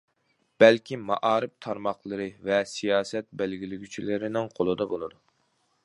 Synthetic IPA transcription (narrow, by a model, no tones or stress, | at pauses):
b̥ɛlkʲimɑʔɑːɾɨpt̪ʰɑɾmɑχlˠəɾɨvɛsijɑːsɛt̪̚bɛlɡʲilɪɡʲyt͡ʃʰilɪɾɪnɪŋqʰolˠɨd̪ɑbolˠɨd̪u